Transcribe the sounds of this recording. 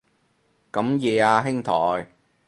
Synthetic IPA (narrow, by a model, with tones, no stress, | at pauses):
kɐ˨˥mjeː˨˧aː˧ɦɪ˥ŋt̪ʰɔː˨˩j